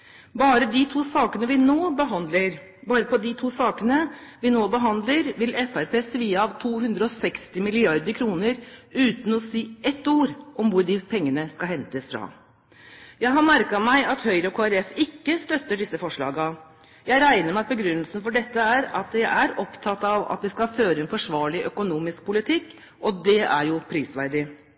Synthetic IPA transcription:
bɑːɾəd̪ɪt̪ʰuːsɑːkənəʋɪnoːbəɦɑnd̪ləɾ | bɑːɾəpɔd̪ɪt̪ʰuːsɑːkənəʋɪnoːbəɦɑnd̪ləɾʋɪlɛfæɾpʰeːsəʋiːəɑʋt̪ʰuːhʉnd̪ɾəɔsɛkst̪ɪmɪlɪɑɾd̪əɾkʰɾuːnəɾʉːt̪n̩ɔsiːʔɛt̪ːuːɾʔɔmʋʊɾɖɪpʰɛŋːənəskɑɦɛnt̪əsfɾɑ̰ | jæɪɦɑmæɾkɑmæɪɑt̪hœʏɾəɔkʰoːæɾɛfɪkːəst̪œt̪ːəɖɪsːəfɔʂɭɑ̰ːɡɑ | jæɪɾæɪnəɾmɛɑt̪̚bəɡɾʉnːəlsən̩fɔɖɛt̪ːəæɾɑt̪̚d̪ɛjæɪʔæɾɔpt̪ʰɑt̪ːɑʋɑ̰t̪ʋɪskɑføːɾəɛnfɔʂʋɑːɭɪʔœkʊnuːmɪsk̚pʰʊlɪt̪ʰɪkː | ʔɔd̪ɛæ̰ɾjʊpʰɾiːsʋæɾɖɪ

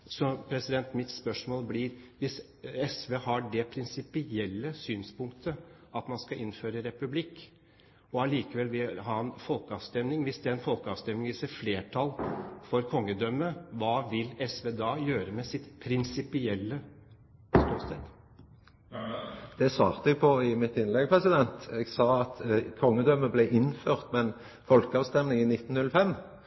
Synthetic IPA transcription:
sɔpʰɾɛsɪd̪ɛnt̪mɪt̪spœʂmoːlblɪɾʋɪs | ɛsʋeːhɑɖɛpʰɾɪnsɪpɪɛlːəsyːnspʊŋkt̪ʰəɑt̪mɑnskɑʔɪnːføːɾəɾɛpʉblɪkː | ɔɑliːkəʋɛlʋɪlɦɑɾɑnfɔlkəɑʋst̪ɛmnɪŋʋɪsd̪ɛæɾɛnfɔlkəɑʋst̪ɛmnɪŋɪsɛfleːʈʰɑlfɔɾkʰɔŋːəd̪œməʋɑːʋɪlɛsʋɛːd̪ɑːjøːɾəmɛsɪt̪pʰɾɪnsɪpɪɛlːə | st̪uːsɛt̪ | d̪̥ɛsʋɑːʁt̪əɛɡpʰɔɪmɪt̪ɪnlɛɡpʰɾɛsɪd̪ɛnt̪ɛɡsɑːɑt̪kʰɔŋːəd̪œmːəblɛʔɪnføːʁt̪mɛn | fɔlkəɑːʋst̪ɛmnɪŋɪnɪt̪ːn̩nʉləfɛm

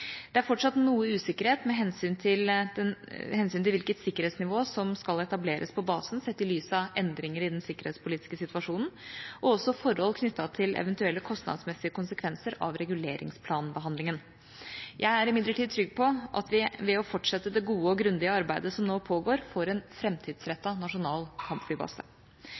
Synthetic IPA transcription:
d̪̥ɛæɾfɔʈʂɑt̪ːnuːəʉːsɪkːəɾheːt̪mɛɦɛnsyːnt̪ʰɪld̪ɛhɛnsyːnt̪ɪlʋɪlkət̪sɪkːəɾheːt̪snɪʋoːsɔmskɑlɛt̪ɑbleːɾʔəspʰɔbɑːsn̩sɛt̪ːɪlyːsɑɛnd̪ɾɪŋəɾɪd̪ɛnsɪkːəɾheːt̪spʰʊliːt̪ɪ̥skəsɪt̪ʋɑʂuːnn̩ɔɔsːɔfɔɾhɔlkʰnʏt̪ːɑt̪ʰɪlɛ̰ʋɛnt̪ʉɛlːəkʰɔst̪nɑ̰d̪smɛsːɪəkʊnsəkʰʋɛnsəɾɑ̰ʋɾɛɡʉlḛːɾɪ̰ŋspʰlɑːnbəɦɑnd̪lɪŋən | jʔæɪæɾɪmɪnləʈʰid̪̚t̪ʰɾʏɡpʰɔʔɑ̰t̪ʋɪʋɛɔfɔʈʂɛt̪ːəd̪ɛɡuːəɔɡɾʉnd̪ɪəɑɾbæɪd̪əsɔmnoːpʰoːɡoːɾfoːɾɛnfɾɛmt̪ʰiːd̪sɾɛt̪ːɑnɑʂʊnɑːlkʰɑmpflyːbɑ̰sə

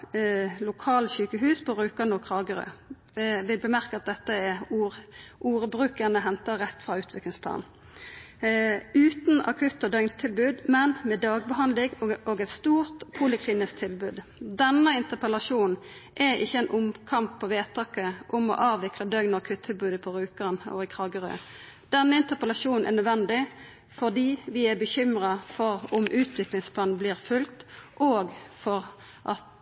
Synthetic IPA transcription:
lʊkʰɑːlçʉːkəɦʉːspʰɔʁʉːkɑnɔkʰʁɑːɡəʁø̰ | ʋɪlbəmæʁkəɑt̪̚d̪ɛt̪ːəɛuːʔuːɾəbɾʉːkənəɦɛnt̪əʁɛt̪ːfʁɑʉːt̪ʋɪklɪŋspʰlɑ̰ːn | ʉːt̪nɑ̰kʰʉt̪ːɔd̪œʏŋt̪ʰɪlbʉːd̪mɛnmɛd̪ɑːɡ̚bəɦɑnlɪŋoːɡɛt̪st̪uːʁt̪pʰʊlɪkʰliːnɪskt̪ʰɪlbʉːd̪d̪ɛnːəɪnt̪əpəlɑʂuːnʔɛɪ̰çːəɛnʔʊmkʰɑmpʰːɔʋeːt̪ʰɑːkəʔʊmɔ̰ʔɑːʋʋɪkləd̪œnɔʁkʰʉt̪ʰːɪlbʉːd̪əpʰɔʁʉːkənɔ̰ɪkʰʁɑːɡəʁø̰ː | d̪̥ɛnːəɪnt̪əʁpəlɑʂuːnn̩ʔɛ̰nœd̪ʋɛnd̪ɪ | fɔʁd̪iːʋɪæbəçʏmʁɑfɔʁʊmʔʉːt̪ʰʋɪklɪŋspʰlɑːnnbliːʁfʉlkt̪ʔoːɡfɔʁ | ʔɑ̰t̪

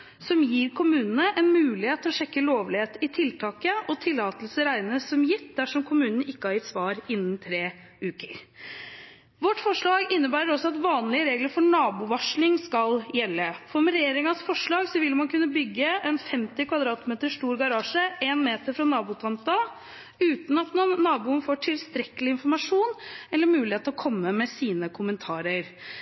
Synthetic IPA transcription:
sɔmjiːɾkʰʊmʉːnənəʔɛnmʉːlɪheːt̪ʰːɔɕɛkːəloːʋlɪheːt̪ɪt̪ʰɪlt̪ʰɑːkəʔɔt̪ʰɪlːɑːt̪əlsəɾæɪnnəsɔmjɪt̪ːd̪æʂɔmkʰʊmʉːnənəɪkːəhɑɾjɪt̪sʋɑːɾɪnːənt̪ʰɾeː | ʔʉːkəɾ | ʋɔʈːfɔʂɭɑːɡɪnːəɾbæːɾəɾɔsɔɑt̪ʋɑːnlɪəɾeːɡləɾfɔɳɑːbʊʋɑʂlɪŋskɑljɛlːəfɔɾmɛɾɛjeːɾɪŋɑsfɔʂɭɑːɡsɔʋɪlːmɑnkʰʉnːəbʏɡːəɛnfɛmt̪ɪkʰʋɑd̪ɾɑːt̪meːt̪əʂʈuːɾɡɑɾɑːʂəʔeːnmeːt̪əɾfɾɑnɑːbʊt̪ʰɑnt̪ɑ | ʉːt̪n̩ɑt̪mɑnːɑːbuːənfoːʈʰɪlst̪ɾɛkːəlɪɪnfɔɾmɑʂuːnɛlːəɾmʉːlɪheːt̪ɔkʰɔmːəmɛsiːnəkʰʊmənt̪ʰɑːɾəɾ

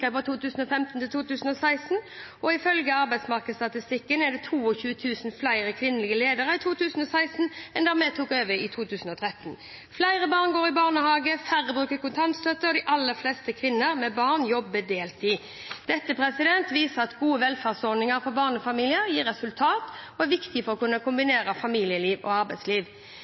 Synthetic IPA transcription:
əpɔt̪ʰuːt̪ʉːsn̩ɔfɛmt̪n̩t̪ʰɪlt̪uːt̪ʉːsn̩ɔsæɪsn̩ | ʔɔɪfœlɡəɑʁbæɪd̪smɑʁkəst̪ɑt̪ɪst̪ɪkːənɛd̪ɛt̪ʰuːɔçʉːət̪ʰʉːsnflæɪʁəkʰʋɪnːəlɪɡəleːd̪əʁəɪt̪ʰuːt̪ʰʉːsən̩ɔsæɪsn̩ɛnd̪æʁmɛt̪ʰuːkøːʋəɪt̪ʰuːt̪ʰʉːsn̩ɔt̪ʰʁɛt̪n | flæɪʁəbɑʁnɡoːʁɪbɑʁnəhɑːɡəfæʁəbʁʉːkəkʊnt̪ʰɑnt̪st̪œt̪ːəʁɔd̪ɪʔɑlːəʁflɛst̪əkʰʋɪnːəʁmɛbɑːʁnjɔbːəd̪eːlt̪ɪ | d̪̥ɛt̪ːəpʰʁɛsɪd̪ɛnt̪ʋiːsəʁɑt̪ɡuːəʋɛlfæːʁsɔd̪nɪŋəɾfɔɾbɑːʁnəfɑmiːlɪəʁjiːɾɛsʉlt̪ʰɑːt̪ɔæʋɪkt̪ɪfɔʁɔkʉnːəkʰʊmbɪneːʁəfɑmiːlɪəliːʋɔ̰ɑɾbæɪsliːʋ

